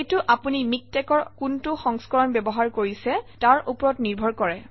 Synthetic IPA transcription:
itʊʔapunimik̚tɛkɔɹkuntʊxɔ̃ŋskɔɹɔnbɛbɔɦaɹkoɹisɛtaɹupɔɹɔtniɹbʱɔɹkɔɹɛ

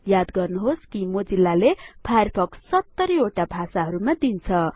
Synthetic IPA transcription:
jad̪ɡʌrnuɦoskimod͡zilːalebʰʱajrpʰʌksʌt̪ːʌɾioʈabʱasaɦʌɾumad̪int͡sʰʌ

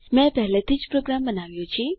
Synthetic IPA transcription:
mɛ̃bɛlɛd̪ɪt͡ʃpɾoɡɾamːənawijot͡ʃʰi

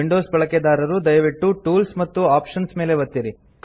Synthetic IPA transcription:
iɳɖoːsbɐɭɐked̪aːɾɐɾud̪ɐjɐʋiʈːuʈuːlsmɐt̪ːuaːpʂɐnsme̞ːleʋɐt̪ːiɾi | k

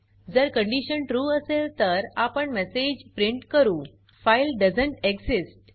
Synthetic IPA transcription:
d͡zəɾkə̃ɳɖiɕənʈɾuːəselt̪əɾapəɳmɛsed͡ʑpɾiɳʈkəɾũː | fajlɖəd͡zəɳʈeksisʈ̚

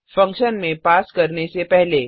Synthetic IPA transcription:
fɐ̃ŋkʃənmẽpaːskɐɾnesepɛɦle

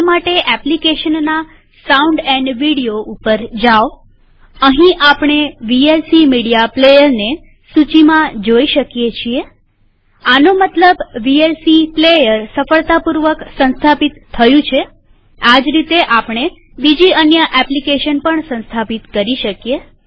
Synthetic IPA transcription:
maʈeʔɛplikeʃənːa | saũɳɖɛ̃ɳɖʋiɽijoʔupəɾd͡ʒaʋ | əɦĩʔapɳ̃eʋielsimiɽijaplejəɾne | sut͡ʃimãd͡ʒoiʃəkjet͡ʃʰie | anomət̪ləbʋielsiplejəɾsəfəɭt̪apuɾʋəksə̃nst̪ʰapit̪ʰːəjũt͡ʃʰe | ad͡ʒɾit̪eʔapɽ̃e | bid͡ʒiənjəʔɛplikeʃənpəɳsə̃nst̪ʰapit̪kəɾiʃəkije

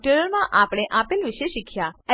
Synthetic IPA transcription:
ʈeɾəɾmãʔapɽ̃eʔapelʋiʃeʃikʰjaə

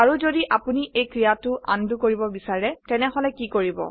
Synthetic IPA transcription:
aɹuzodiʔapuniʔejkɹijatʊʔa̰ndukoɹibɔbisaɹɛtɛnɛɦɔlɛkikoɹibɔ̰

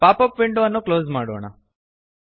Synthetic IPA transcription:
paːpɐpʋiɳɖuɐnːukloːzmaːɽoːɳɐ̰

